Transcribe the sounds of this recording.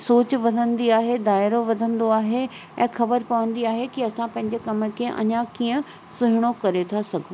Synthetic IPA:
soːt͡ɕʋɐd̪ʱə̃nd̪iaːɦed̪aːɪɾoʋɐd̪ʱə̃nd̪oaːɦe | ɛ̃ːxɐbəɾpɐʋə̃nd̪iaːɦekiɐsãpɐ̃ɦɪ̃ɲd͡ʑekɐmə̆kʰeʔɐ̰ɲãkiːə̃ | sʊɦɪɽ̃okɐɾet̪ʰasɐɡʱo

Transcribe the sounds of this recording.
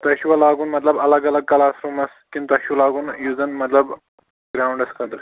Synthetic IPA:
t̪ɐɕuʋalaɡuːnmət̪ləbɐləɡɐləɡ̚kɐlasɾuːmɐskint̪ɐɕulaɡuːnjuːd͡zənmɐt̪ləb | ɡɾawuɳɖɐskʰəd̪əɾ

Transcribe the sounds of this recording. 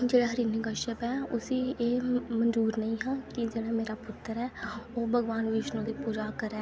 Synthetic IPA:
d͡ʒeːɽaːɦəɾiːniɡəʃəpɛːʊsiːeːmənzuːɾnəĩːɦãːkɪd͡ʒeːɽaːmeːɾaːpʊt̪ːəɾɛːoːbʱəɡʋaːnʋɪʃnõːd̪iːpuːd͡ʒakəɾɛː

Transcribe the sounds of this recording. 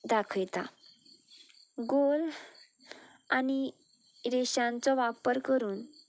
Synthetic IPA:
d̪akʰʋt̪a | ɡol | ani | ɾeɕãnt͡sɔʋapəɾkəɾuːn

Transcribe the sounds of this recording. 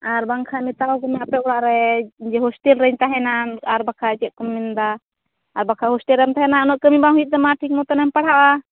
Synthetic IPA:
aɾbaŋkʰamɛt̪alɔkɔmɛapɛɔɽaʔɾɛd͡ʒɛɦɔsʈɛlɾəɲt̪aɦɛnaaɾbakʰat͡ʃɛʔ̚kɔmːind̪aː | ɾbakʰahɔsʈɛlɾɛmt̪aɦɛnaɔnɔʔkəmibaŋɦuit̪̚d̪ɛmaʈʰik̚mɔt̪ɔnampaɽ̤aʔa

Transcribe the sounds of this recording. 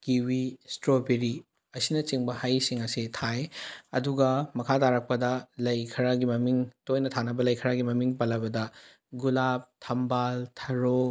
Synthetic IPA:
kiwistɾobiɾi | ɐsinɐt͡ʃiŋbɐhajsiŋɐsitʰajɐduɡɐmɐkʰataɾɐk̚pɐdɐlɐjkʰɐɾaɡimɐmiŋtojnɐtʰanɐbɐlɐjkʰɐɾaɡimɐmiŋpɐlːɐbɐdɐ | ɡulap̚tʰɐmbaltʰɐɾo

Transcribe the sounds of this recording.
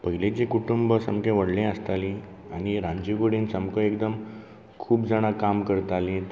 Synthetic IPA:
pəɦilẽt͡ɕĩkuʈumbəsəmkẽʋəɽlẽəst̪alĩ | añiɾãɲd͡ʑiɡoɽiːnsəmkə̃ekd̪əm | kʰuːpd͡zaɽ̃akamkəɾt̪alĩ

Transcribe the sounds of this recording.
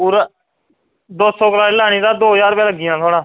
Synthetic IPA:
puːɾ | d̪oːɔːkəlaːɾeːlaːɽ̃ĩːt̪aːd̪oːd͡ʒaːɾpɛːləɡɪjãːt̪ʰoːɽãː

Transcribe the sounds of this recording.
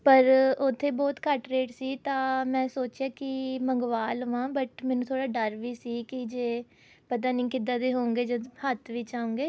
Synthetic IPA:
pəɾʊt̪ʰːeːbɔːt̪kəʈɾeːʈsiːt̪ãːmɛ̃ːsoːt͡ʃjaːkɪməŋɡʋaːləʋãːbəʈmɛːnũːt̪ʰoːɽaːɖəɾʋiːsiːkɪd͡ʒeː | pət̪̬aːnĩːkɪd̪aːd̪eːɦoːŋɡeːd͡ʒəd̪hət̪ʰʋɪːt͡ʃaːũːŋɡeː

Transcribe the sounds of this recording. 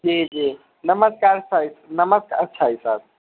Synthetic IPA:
d͡ʒid͡ʒi | nəməskaɾəsʰaɦisnəməskaətːʃʰaɦisad̪̚

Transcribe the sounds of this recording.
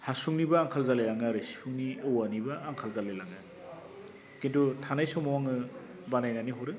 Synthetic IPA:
hasuŋnibaːŋkʰalzalelaŋaɾesi̥pʰuŋniɯwanibaʔːŋkʰalzalelaŋɯ | kintutʰanajsɔmawaŋɯ | banajnaniɦɔɾɯ

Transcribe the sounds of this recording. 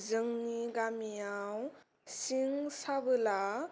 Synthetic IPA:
zɯŋniɡamijaw | siŋsabɯla

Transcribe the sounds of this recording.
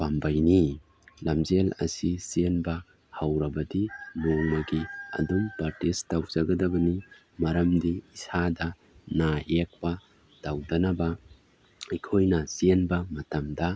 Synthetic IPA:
pambɐjni | lɐmzelɐ̰sisienbɐ | hɐwɾɐbɐdiloŋmɐɡiɐ̰dumpɐɾtestawzɐɡɐdɐbɐni | mɐɾɐmdiːsadɐ | naek̚pɐ | d̥awdɐnɐbɐ | ikʰojnɐsienbɐmɐtɐmdɐ

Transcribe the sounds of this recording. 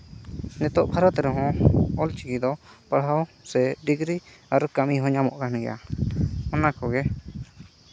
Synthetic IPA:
nɛt̪ɔʔbʱaɾɔt̪ɾɛɦɔ̃ɔlt͡ʃiɡid̪ɔpaɽ̤aw | sɛɖiɡɾi | aɾkamiɦɔ̃ɲamɔ̰ʔkanɛɡɛ̰jʔa̰ | ɔnakɔɡɛ

